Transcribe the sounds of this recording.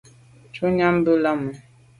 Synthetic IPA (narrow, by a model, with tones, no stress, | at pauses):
t͡ʃu˦ɲa˦m˦bə˦la˦mə˨